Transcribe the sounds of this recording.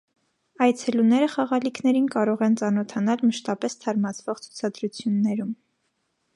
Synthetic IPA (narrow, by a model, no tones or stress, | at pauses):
ɑjt͡sʰɛlunɛɾəχɑʁɑlikʰnɛɾinkɑɾɔʁɛnt͡sɑnɔt̪ʰɑn̪ɑlməʃt̪ɑpɛst̪ʰɑɾmɑt͡sʰvɔʁt͡sʰu̥t͡sʰɑd̪ɾut͡sʰjunːɛɾum